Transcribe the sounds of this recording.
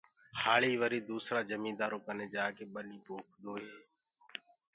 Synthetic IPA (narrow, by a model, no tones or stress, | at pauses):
haːɭiːʋəɾiːd̪uːsɾaːd͡ʒəmĩːd̪aːɾoːkəneːd͡ʒaːkeːɓəɗiːbʱoːk̚ʰd̪oːɦeː